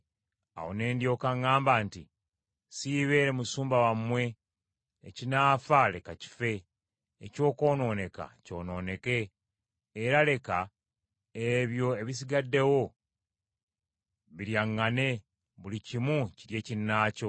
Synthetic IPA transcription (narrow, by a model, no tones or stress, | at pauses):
a̰wo̰ne̞ːndjo̞ːkaŋːaːmbaːntḭ | siβe̞ːɾemusuːmbawamwe̞̰ː | cinaːfale̞kaci̥fe̞ː | co̞ːko̞ːno̞ːne̞ka̰co̞̰ːno̞ːne̞ke̞ː | ɾale̞ka | eβjo̞eβis̬iɡadːe̞wo̞ | βiɾjaŋːane̞ | βulicimuciɾje̞ːcinːaːco̞